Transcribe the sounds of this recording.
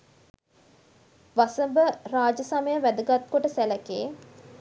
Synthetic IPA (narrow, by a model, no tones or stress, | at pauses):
ʋasəmbəraːd͡ʒəsaməjəʋæd̪əɡat̪̚koʈəsælækeː